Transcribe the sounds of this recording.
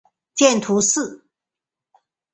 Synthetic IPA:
t͡ɕjɛ˥˧nt̪ʰu˧˥sɹ̩˥˩

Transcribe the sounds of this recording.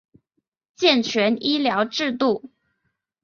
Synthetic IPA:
t͡ɕjɛ˥˩nt͡ɕʰɥɛ˧˥ni˥ljɑ˧˥ʊʈ͡ʂɻ̩˥˧t̪u˥˩

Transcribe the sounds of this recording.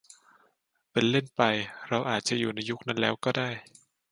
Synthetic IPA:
pe˧nle˥˩npa˧jɾa˧wʔaː˨˩t̪̚t͡ɕa˨˩juː˨˩na˧jːu˦˥k̚na˦˥nlɛː˦˥wkɔː˥˩daː˥˩j

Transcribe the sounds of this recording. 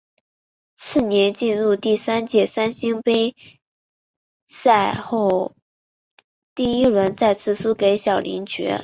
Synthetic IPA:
t͡sʰɹ̩˥˩njɛ˧˥nt͡ɕi˥˧nɻu˥˧t̪i˥˩sa˥nt͡ɕjɛ˥˩sa˥nɕi˥ŋpe˥ɪ | sa˥˧ɪxo˥˩ʊ | t̪i˥˩i˥ɻə˧˥nt͡sa˥˧ɪt͡sʰɹ̩˥˩su˥ke˧˥ɪɕjɑ˨˩ʊlḭ˧˥ŋt͡ɕɥɛ̰˧˥

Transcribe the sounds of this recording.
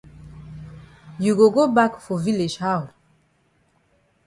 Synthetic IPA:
ju˨ɡo˨ɡo˦ba˦kfɔ˨vi˦le˨d͡ʒha˦˨l

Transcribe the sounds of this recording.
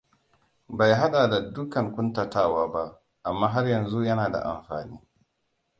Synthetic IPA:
ba˨jɦa˦ɗaː˨da˨dʊ˦kɐ˨ŋkʷʊ˦nta˨taː˦˨waː˦ba˦ʔ | ʔa˨mːaː˦ɦa˦rjɐ˨nzu˦jɐ˦naː˨da̰˨ʔa̰˨mɸa̰ː˨niː˦

